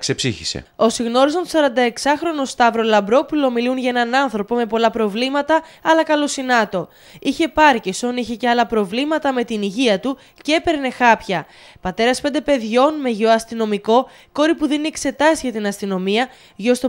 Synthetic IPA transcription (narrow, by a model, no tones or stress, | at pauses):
ksepsiçisḛo̞siɣno̞ɾis̬ont̪osɐɾɐnd̪ɐe̞ksɐxɾo̞nost̪ɐvɾo̞lɐmbɾo̞pulo̞milunʝɐe̞nɐnɐnθɾo̞po̞me̞po̞lɐpɾo̞vlimɐt̪ɐɐlɐkɐlo̞sinɐt̪o̞ | içe̞pɐɾceso̞niçe̞ceɐlɐpɾo̞vlimɐt̪ɐme̞t̪iniʝiɐt̪u | cepe̞ɾne̞xɐpçɐ | pɐt̪e̞ɾɐspe̞nd̪e̞pe̞ðʝo̞nme̞ʝeoɐst̪ino̞miko̞ | ko̞ɾipuðinie̞kse̞t̪ɐsʝɐt̪inɐst̪ino̞miɐ | ʝo̞st̪o